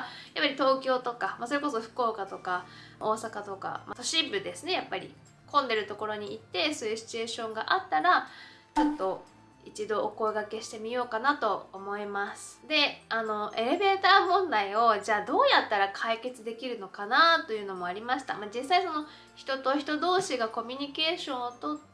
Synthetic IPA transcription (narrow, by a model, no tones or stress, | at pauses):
japːaɾʲit̪o̞ːkʲo̞ːt̪o̞kamaso̞ɾe̞ko̞so̞ɸɯ̥ko̞ːkat̪o̞kao̞ːsakat̪o̞ka̰mat̪o̞ɕibɯ̟d̪e̞sɨne̞japːaɾʲḭ | kʰõ̞nd̪e̞ɾɯ̟t̪o̞ko̞ɾo̞ɲ̟iit̪ːe̞so̞ːjɯ̟ɕi̥t͡ɕɨe̞ːɕõ̞ŋɡaʔat̪ːaɾa | t͡ɕot̪ːo̞ | it͡ɕid̪o̞ʔoko̞eɡake̞ɕi̥t̪e̞mʲijo̞ːkanat̪o̞ːmo̞imasɨ̥d̪e̞ano̞ʔe̞ɾe̞be̞ːt̪aːmõ̞nd̪aio̞ʑaːd̪o̞ːjat̪ːaɾakʰaike̞t͡sɨd̪e̞kʲiɾɯ̟no̞kanat̪o̞jɯ̟ːno̞mo̞aɾʲimaɕi̥t̪a̰mad͡ʑisːaiso̞no̞ | çi̥t̪o̞t̪o̞çi̥t̪o̞d̪o̞ːɕiɡako̞mʲyɲ̟ike̞ːɕõ̞ɰ̃ot̪ot̪ː